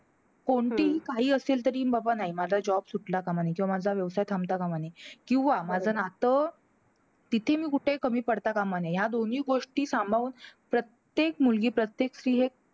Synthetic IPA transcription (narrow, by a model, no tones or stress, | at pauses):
koɳʈiːɦiːkaɦiːəselt̪əɾiːmbabanaɦimad͡zad͡ʑɔbsuʈlakamanekĩw̃amad͡zʱaʋjəʋsajt̪ʰamt̪akamanekĩw̃ʋamad͡zʱənat̪ə | t̪it̪ʰemiːkuʈʰekəmiːpəɽt̪akamanejad̪on̤iːɡoʂʈiːsambʱaʋuːnpɾət̪jekmulɡiːpɾət̪jeksɾiːɦe